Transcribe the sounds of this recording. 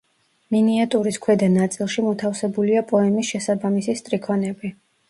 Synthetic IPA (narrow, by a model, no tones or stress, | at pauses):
miniat̪ʼuɾiskʰwɛd̪anat̪sʼilˠʃimɔt̪ʰafsɛbuliapʼɔɛmisʃɛsabamisist̪ʼɾikʰɔnɛbi